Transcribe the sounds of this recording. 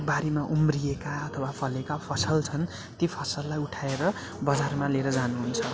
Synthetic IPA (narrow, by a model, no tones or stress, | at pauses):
baɾimaʔumrijekaʌt̪ʰʌwapʰʌlekapʰʌsʌlt͡sʰʌn | t̪ipʰʌsʌlːajuʈʰaeɾʌ | bʌd͡zarmaleɾʌd͡zanuɦunt͡sʰʌ